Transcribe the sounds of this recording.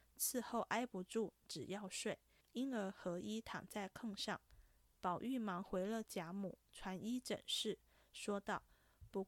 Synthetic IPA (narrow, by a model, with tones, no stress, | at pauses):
t͡sʰɹ̩˥˧xo˥˩ʊʔa˥ɪpu˧˥ʈ͡ʂu˥˩ʈ͡ʂɻ̩˨˩jɑ˥˧ʊʂwe˥˩ɪ | i˥nə˞˧˥xɤ˧˥ʔi˥t̪ʰɑ̰˨˩ŋt͡sa˥˩ɪkʰɤ˥˧ŋʂɑ˥˩ŋ | pɑ˨˩ʊʔy˥˩mɑ˧˥ŋxwe˧˥ɪlə˥˧t͡ɕja˧˥mu˨˩˦ʈ͡ʂʰwa˧˥ni˥ʈ͡ʂə̰˨˩nʂɻ̩˥˩ | ʂwɔ˥t̪ɑ˥˩ʊ | pu˧˥